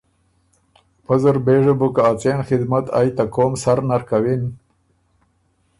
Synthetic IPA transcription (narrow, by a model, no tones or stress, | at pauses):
pɐzəɾbeːʐəbukaːt͡senxɪd̪mat̪a̰jt̪akoːmsaɾnaɾkawin